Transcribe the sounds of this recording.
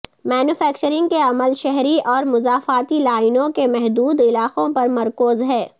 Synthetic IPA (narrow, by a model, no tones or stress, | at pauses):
mɛːnuːfɛːk̚t͡ʃəɾɪ̃ŋɡ̚keɐməlʃɛɦɾiʔɔːɾmʊzaːfaːt̪ilaːɪnõkemɛɦd̪uːd̪ɪlaːqõpɐɾmɐɾkoːzɦɛː